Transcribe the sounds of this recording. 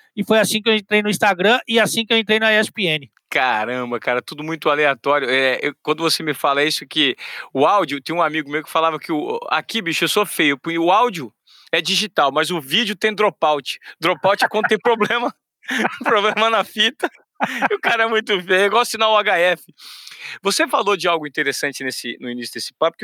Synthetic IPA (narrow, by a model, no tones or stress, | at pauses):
ɪfojasĩkɪewẽnt̪ɾejnʊĩst̪aɡɾɐ̃ɪasĩkɪewẽnt̪ɾejnɐɛspeẽnɪ | kaɾɐ̃bɐkaɾɐt̪ud̪ʊmũj̃t̪ʊaleat̪ɔɾjʊɛɛewkwɐ̃nd̪ʊvosemɪfalɐisʊkɪʊawd͡ʒiʊt̪ẽj̃ũamiɡʊmejwʊkɪ̥falavɐkɪʊa̰kʰibiʃʊewsofejʊpʊʊawd͡ʒʊ | ɛd͡ʒiʒit̪awmɐzʊvid͡ʒʊt̪ẽj̃d̪ɾopawt͡ʃɪ̥d̪ɾopawt͡ʃɪɛkwɐ̃nd̪ʊt̪ẽj̃pɾoblẽmɐ | pɾoblẽmɐnɐfit̪ɐ | ʊkaɾɐɛmũj̃t̪ʊfejʊewɡɔssinawʊaɡaɛfɪvosefalod͡ʒɪawɡʊĩt̪eɾesɐ̃nt͡ʃɪnesɪnʊinisjʊd̪esɪ̥papʊ̥k